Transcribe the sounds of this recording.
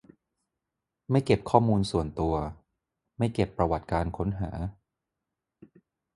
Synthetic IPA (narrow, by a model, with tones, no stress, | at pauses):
ma˥˩jke˨˩p̚kʰɔː˥˩muː˧nsu˨˩ənt̪u˧ɐ | ma˥˩jke˨˩pːɾa˧wa˨˩t̪̚kaː˧nkʰo˦˥nɦa̰ː˩˦